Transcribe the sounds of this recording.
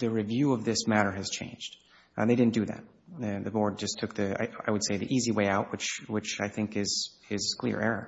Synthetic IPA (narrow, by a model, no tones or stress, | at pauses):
ðɨɹɨvjʉʌvðɪsmæɾə˞ɨz̥t͡ʃʰḛ̃ɪ̃nd͡ʒd̥ | ðeɪɾɪdⁿn̩d̥ɨðæ̰t̚ | ðɨbɔɹd̚d͡ʒʌstʰʊk̚ðia̰ɪa̰ɪwɨd̥seɪðḭʔiziweɪaʊʔ̚wɨt͡ʃwɨt͡ʃaɪθɪ̃ŋkɪz̥ɪz̥kʰl̥ɪ̰ɹʔɛ̰ɹə̰